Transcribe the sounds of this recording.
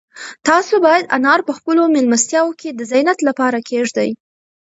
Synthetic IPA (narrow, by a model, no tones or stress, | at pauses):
t̪ɑsobɑjad̪a̰nɑɾpəxpəlomɪlmast̪jɑwokʰed̪əzanat̪lapɑɾakʰeʐd̪aj